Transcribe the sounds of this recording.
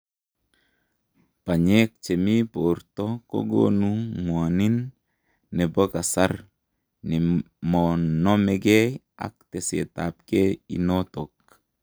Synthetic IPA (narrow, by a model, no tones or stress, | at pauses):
paɲek̚t͡ʃemiportɔko̰ɡo̰nuŋwaninː | ɛbokasar | ni | mɔnɔmɛɡɛj | a̰k̚t̪ɛsḛtap̚kɛḭnot̪ok̚